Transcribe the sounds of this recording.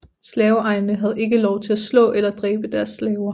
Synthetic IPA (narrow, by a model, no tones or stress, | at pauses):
slɛːʊɑ̈ɪnnəɦæð̞ˠe̝ɡ̥əlɒʊt͡sʰe̝læslɔ̰̽ːʔelɐd̥ʁɛ̰ːb̥əd̥æɐsːlɛːʊɐ